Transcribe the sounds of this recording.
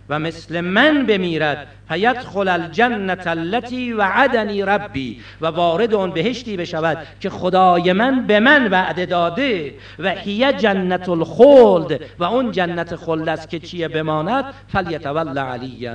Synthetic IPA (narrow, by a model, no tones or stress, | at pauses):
væme̞sle̞mænbe̞miːɾæd̪̥ | fæjæd̪xolæld͡ʒanːæt̪ʰalːæt̪ʰiːvæʕad̪æniːɾabːḭː | vævɒːɾe̞d̪eɔnbe̞he̞ʃt̪iːbe̞ʃævæd̪̥cʰexod̪ɒːjemænbe̞mænvæʔd̪e̞d̪ɒːd̪e | væhijæd͡ʒænːæt̪ʰolxoːld̪væʊnd͡ʒænːæt̪ʰexold̪æst̪kʲʰe̞t͡ʃʰijebe̞mɒːnæd̪̥̚fæljat̪ʰævælːaʕalijːæ̰n